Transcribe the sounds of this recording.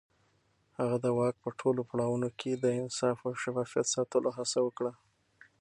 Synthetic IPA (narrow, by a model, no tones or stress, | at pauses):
haɣad̪əwɑk̚pəʈʰolopaɽɑwunokʰed̪əɪnsɑfawʃafɑfijat̪sɑt̪əloɦasawəkɽa